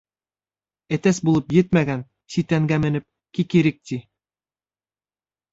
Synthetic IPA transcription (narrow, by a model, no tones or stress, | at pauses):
ɘ̆t̪æsbulˠɤpjɘt̪̚mæɡæn | sit̪æŋɡæmɘ̆nɘp̚ | kikiɾɘk̚t̪i